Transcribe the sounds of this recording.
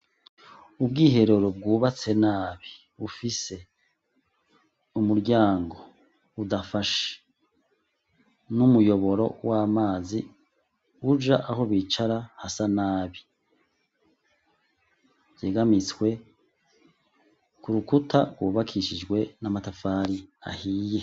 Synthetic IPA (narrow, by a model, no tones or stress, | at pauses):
ubɡiːɦe̞ɾuɾob̚ɡuːβat͡se̞naːβi̥ | βufise̞ | umuɾɟaːŋɡo̞ | udafaʃe̥ | numujo̞βo̞ɾo̞̰wʔaːmaːzi | ud͡ʒa̰ʔaho̞βit͡ʃaɾahasanaːβi | vjeːɡamit͡skwe̞ | kuɾukutʰa̰bɡwuːβakʰiʃid͡ʒɡwe̞namatafaːɾia̰hiːje̞